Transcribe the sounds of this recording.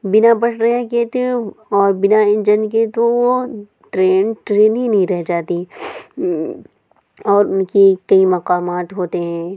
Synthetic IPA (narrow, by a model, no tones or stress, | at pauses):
bɪnabɐɽɾɐɦeket̪eɔːɾbɪnaɪ̃nd͡ʒənket̪oʋo | ʈɾeːnʈɾeːnɦĩnɐɦĩɾɛɦd͡ʒaːt̪i | ɔːɾʊnkikɐimɐqaːmaːt̪ɦoːt̪eɦɛ̃ː